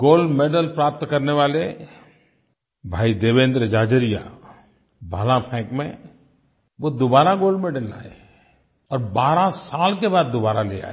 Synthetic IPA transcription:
ɡoːlɖmeːɖəlpɾaːp̚t̪kɐɾneʋaːle | bʱaːid̪eːʋẽːnd̪ɾəd͡ʒaːd͡ʒəɾija̰ | bʱaːlãpʰɛ̃ːkmḛ̃ | ʋod̪ʊbaːɾaɡoːlɖmeːɖəla̰ːḛ | ɔːɾbaːɾãsaːlkebaːd̪̚ːʊbaːɾalḛa̰ːe

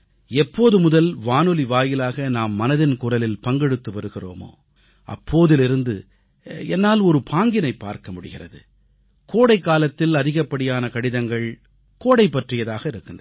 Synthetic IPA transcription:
ɛpːoːðɯmʊðɐlʋaːnɯliʋaːjɪlaːɣɐnaːmːɐnɐðɪnkʊrɐlɪlpɐŋɡɛɽɯt̪ːɯʋɐɾɯɣɪro̰ːmo̰ː | ʔɐ̰pːoːðɪlɪɾɯnd̪ɯ̰ | ɛnːaːlɔɾɯpʰaːŋɡɪnɐɪpːa̰ːɾkɐmʊɽɯ̰ɣɪrɐ̰ðɯ̰ | koːɽɐɪkːaːlɐt̪ːɪlɐðɪɣɐpːɐɽɪjaːnɐkɐɽɪðɐŋɡɐɭ | koːɽɐɪpːɐʈrɪjɐðaːɣɐɪɾɯkːɯndrɐ

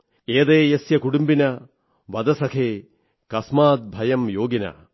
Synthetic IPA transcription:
eːd̪eːjɐsjɐkuɽumbinɐ | ʋɐd̪ɐsɐkʰeː | kɐsmaːt̪̚bʱɐjɐmjoːɡinɐ̰

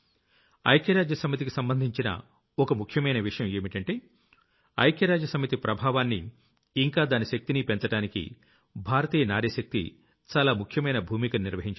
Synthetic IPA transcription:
ɐ̰jkjɐɾaːd͡ʒjɐsɐmit̪ikisɐmbɐnd̪ʱiɲt͡ʃinɐ̰ | ɔkɐmukʰjɐmɐjnɐʋiʂɐjɐmeːmiʈɐɳʈeː | ɐ̰jkjɐɾaːd͡ʒjɐsɐmit̪ipɾɐbʱaːʋaːnːiː | ŋkaːd̪aːniʃɐk̚t̪inipent͡ʃɐɽaːnikḭ | bʱaːɾɐt̪iːjɐnaːɾjɐʃɐk̚t̪ḭ | t͡ʃaːlaːmukʰjɐmɐjnɐbʱuːmikɐnniɾʋɐɦiɲt͡ʃ

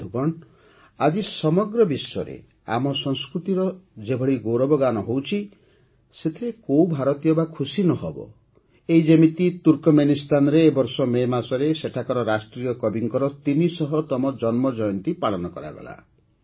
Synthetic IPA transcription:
d̪ʱukɔɳ | ad͡ʒisɔmɔɡɾɔbisɔ̰ɾḛ | a̰mɔsɔŋskɾut̪iɾɔd͡ʒebʱɔɭiɡowɾɔbɔɡanɔɦowt͡ʃʰi | set̪ʰiɾekowbʱaɾɔt̪ijɔbakʰusinɔɦɔbɔ̰ | eid͡ʒemit̪it̪uɾkɔmenist̪anɔɾeːbɔɾsɔmemasɔɾeseʈʰakɔɾɔɾasʈɾijɔkɔbiŋkɔɾɔt̪inisɔɦɔt̪ɔmɔd͡ʒɔnmɔd͡ʒɔjɔnt̪ipaɭɔnɔkɔ̰ɾa̰ɡɔ̰la̰

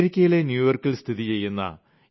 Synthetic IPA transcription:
ɾikʲːɐjile̞njuːʋɐrkiɭst̪ʰiðit͡ɕe̞jːunːɐ̰

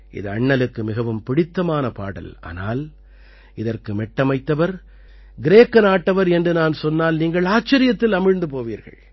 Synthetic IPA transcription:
ʔɪ̰ðɯɐɳːɐlɯkːɯmɪɣɐʋɯmpɪɽɪt̪ːɐmaːnɐpa̰ːɽɐ̰la̰ːnaːl | ɪðɐrkɯmɛʈːɐmɐɪt̪ːɐʋɐɾ | ɡɪɾeːkːɐnaːʈːɐʋɐɾɛndrɯnaːnsɔnːaːlniːŋɡɐɭaːt͡ʃːɐɾɪjɐt̪ːɪlɐmɪɻnd̪ɯpoːʋiːɾɣɐ̰ɭ

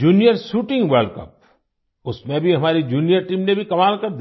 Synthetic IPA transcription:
d͡ʒuːnijəɾʃuːʈɪ̃ŋɡʋɐɾɖkɐ̰p̚ | ʊsmẽbʱiɦɐmaːɾid͡ʒuːnijəɾʈiːmnebʱikɐmaːlkɐɾd̪

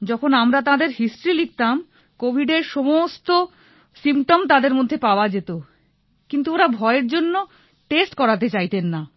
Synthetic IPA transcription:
d͡ʑɔkʰonamɾat̪ãd̪eɾɦisʈɾilik̚t̪am | kobʱiɖeɾʃomost̪o | simʈomt̪ad̪eɾmod̪ʱːepaoad͡ʑet̪o | kint̪uoɾabʱɔeeɾd͡ʑonːo | ʈesʈkɔɾat̪̬et͡ɕajt̪enːa

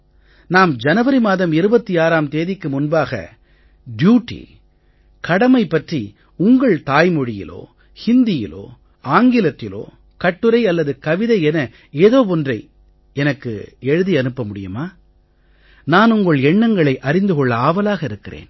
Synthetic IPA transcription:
naːmd͡ʒɐnɐʋɐɾimaːðɐmɪɾɯbɐt̪ːiaːɾaːmt̪eːðɪkːɯmʊnbaːɣɐ̰ | ɖjuːʈːḭ | kɐɽɐmɐɪpːɐʈri | ʊŋɡɐɭt̪aːjmɔɻɪjɪ̰lo̰ː | hɪnd̪ɪjɪlo̰ː | aːŋɡɪlɐt̪ːɪlo̰ː | kɐʈːɯɾɐɪɐlːɐðɯkɐʋɪðɐɪɛnɐ | eːðoːpɔndrɐɪ | ɛnɐkːɯ̰ɛɻɯðiɐnɯpːɐmʊɽɪjɯmaː | naːnʊŋɡɐɭɛɳːɐŋɡɐɭɐɪʔɐɾɪnd̪ɯkɔɭːɐaːʋɐlaːɣɐɪɾɯkːɪrḛːn

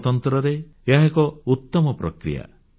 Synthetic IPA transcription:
t̪ɔnt̪ɾɔɾe | aɦekɔut̪ːɔmɔpɾɔkɾḭja̰

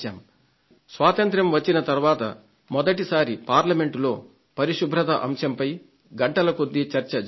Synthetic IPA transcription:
aːm | sʋaːt̪ɐnt̪ɾɐmʋɐt͡ʃːinɐt̪ɐɾuʋaːt̪ɐ̰ | mɔd̪ɐʈisaːɾipaːɾlɐme̞ɳʈlo̞ː | pɐɾiʃubʱɾɐt̪ɐʔɐmʃɐmpɐj | ɡɐɳʈɐlɐkod̪ːit͡ʃɐɾt͡ʃɐ

